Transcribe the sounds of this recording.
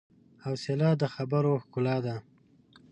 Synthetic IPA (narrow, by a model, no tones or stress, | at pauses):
awselɑd̪əxabaɾoxkʊlɑd̪a